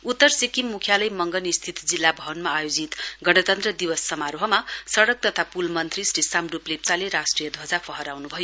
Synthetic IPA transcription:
ut̪ːʌrsikimːukʰjalʌjmʌŋɡʌnist̪ʰit̪d͡zilːabʱʌɦʌnmaːjod͡zit̪ɡʌɽ̃ʌt̪ʌnt̪rʌd̪iwʌsːʌmaɾoɦʌmasʌɽʌk̚t̪ʌt̪ʰapulmʌnt̪risrisamruplep̚t͡saleɾasʈrijʌd̪ʱʌd͡zapʰʌɦʌɾawnubʱʌjo

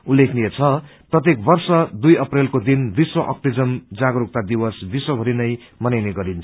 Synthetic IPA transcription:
ulːekʰniet͡sʰʌprʌt̪ekbʌrsʌd̪ujʌprelkod̪inb̪iswʌʔʌ̰k̚ʈid͡zʌmd͡zaɡɾuk̚t̪ad̪ibʌsb̪iswʌbʱʌɾinʌjmʌnajneɡʌɾint͡sʰʌ̥

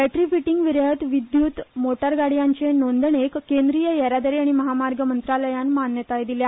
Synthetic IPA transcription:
ɛʈɾifiʈiŋɡʋiɾət̪ʋid̪juːt̪moʈəɾɡaɽ̤ijaɲt͡ɕenond̪əɳekkːend̪ɾijəjəɾad̪əɾiaɽ̃iməɦamaɾɡəmənt̪ɾaləjanmanjət̪ajd̪ilja

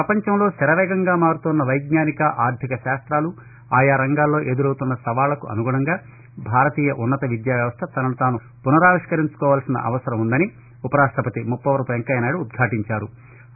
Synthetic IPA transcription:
pɾɐpɐɲt͡ʃɐmlo̞ːsɛɾɐʋɛːɡɐŋɡaːmaːɾut̪unːɐʋɐjɡɲaːnikɐʔaːɾd̪ʱikɐʃaːst̪ɾaːlu | aːjaːɾɐŋɡaːlːo̞ːʔe̞ːd̪uɾɐwt̪unːɐsɐʋaːlɐkuʔɐ̰nuɡuːɽɐŋɡaː | bʱaːɾɐt̪iːjɐʔunːɐt̪ɐʋid̪jaːʋjɐʋɐst̪ʰɐt̪ɐnɐlɐt̪aːnu | punɐɾaːʋiʂkɐɾiɲt͡ʃu̥kɔːʋaːlsinɐ̰ʔɐ̰ʋɐsɐɾɐmund̪ɐni | upɐɾaːst̪ɐpɐt̪imupːɐʋɐɾpueŋkɐjɐnaːɽuːd̪̚ɡʰʱaːʈiɲt͡ʃaːɾu

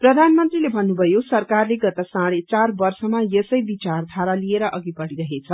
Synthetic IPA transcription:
prʌd̪ʱanmʌnt̪rilebʱʌnːubʱʌjosʌrkarleɡʌt̪ʌsãɽet͡sarbʌrsʌmajesʌjbit͡sard̪ʱaɾalieɾʌʔʌɡipʌɽiɾʌɦet͡sʰʌ

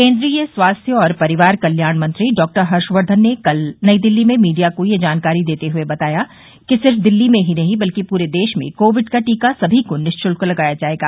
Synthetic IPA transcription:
kẽːnd̪ɾiːjəswaːst̪ʰjəɔːɾpɐɾɪʋaːɾkɐljaːɳmɐ̃nt̪ɾiɖɔːk̚ʈəɾɦɐɾʃʋəɾd̪ʱənːekɐlnɐid̪ɪlːimẽmiːɖijakojed͡ʒaːnkaːɾid̪eːt̪eɦʊebɐt̪aːja | kisɪɾfd̪ɪlːimẽɦinɐɦĩbɐlkipuːɾed̪eːʃmḛ̃koːʋɪɖkaʈiːkasɐbʱikonɪʃt͡ʃʊlkolɐɡaːjad͡ʒaːeːɡaː

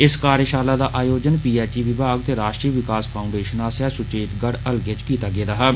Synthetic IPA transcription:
ɪskaːɾjəʃaːlaːd̪aːʔaːjoːd͡ʒənpiːɛːt͡ʃiːʋɪbʱaːɡ̚t̪eːɾaːʃʈɾiːʋɪkaːspʰaːʊ̃ɳɖeːʃənãːsɛːsʊt͡ʃeːt̪ɡəɽəlɡet͡ʃkiːt̪aːɡeːd̪aːɦɛː

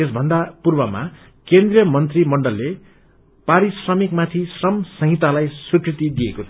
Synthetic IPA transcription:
esbʱʌnd̪apurbʌma̰ | kend̪rijʌmʌnt̪rimʌɳɖʌlːe | paɾisrʌmikmat̪ʰisrʌmsʌɦit̪alajsukrit̪id̪iekot̪ʰ

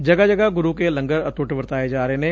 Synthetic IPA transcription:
d͡ʒɐɡad͡ʒɐɡaɡʊɾukelɐ̃ŋɡəɾɐt̪ʊʈʋəɾt̪aːed͡ʒaːɾeɦenẽ

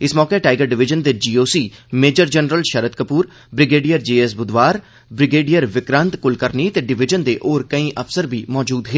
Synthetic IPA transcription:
ɪsmɔːkeːʈaːɪɡəɾɖɪʋɪd͡ʒənd̪eːd͡ʒiːoːsiːmeːd͡ʒəɾd͡ʒənɾəlʃəɾət̪̚kəpuːɾ | bɾɪɡeːɖijəɾd͡ʒeːɛsbʊd̪ʋaːɾ | bɾɪɡeːɖijəɾʋɪkɾə̃nt̪kʊlkəɾniːt̪eːɖɪʋɪd͡ʒənd̪eːʔoːɾkəĩːʔəfsəɾbʱiːmɔːd͡ʒuːd̪ɦeː

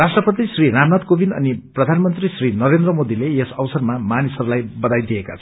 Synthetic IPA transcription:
rasʈrʌpʌt̪̬isriɾamnat̪kobinʌ̰niprʌd̪ʱanmʌnt̪risrinʌɾend̪ɾʌmod̪ileesʌwsʌrmamanisʌɾulajbʌd̪ajd̪ijeka̰t͡sʰʌ

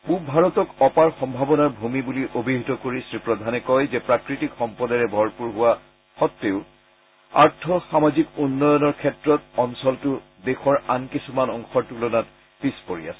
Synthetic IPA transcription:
pubʱaɹɔtɔkɔpaɹxɔmbʱabɔnaɹbʱumibuliʔobʱiɦitɔkoɹisɹipɹɔd̪ʱanɛkɔjzɛpɹakɹitikxɔmpɔdaɹɛbʱɔɹpuɹɦuwa | xɔtːeʊ | a̰ɹtʰɔxamazikunːɔjɔnɔɹkʰɛtɹɔt̚ɔnsɔltʊ | dexʰɔɹankisumanɔŋxɔɹtulɔnat | pispoɹḭa̰sɛ̥

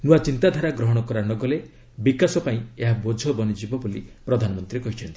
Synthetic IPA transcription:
nuat͡ʃint̪ad̪ʱaɾaɡɾɔɦɔɽ̃ɔkɔɾanɔɡɔle | bikasɔpaĩeɦabod͡ʒʱɔbɔnid͡ʒibɔbulipɾɔd̪ʱanɔmɔnt̪ɾiekɔɦit͡ʃʰɔnt̪i̥

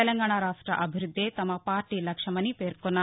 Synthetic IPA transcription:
ɛlɐŋɡaːɳaɾaːʂʈɾɐ̰ʔɐbʱiɾud̪ʱːeːt̪ɐmɐpaːɾʈilɐkʂɐmɐnːipe̞ːɾkonːaː

